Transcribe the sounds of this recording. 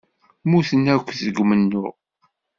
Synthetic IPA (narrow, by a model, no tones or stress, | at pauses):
muθənækʷːθəɡmənːʊ̰ʁ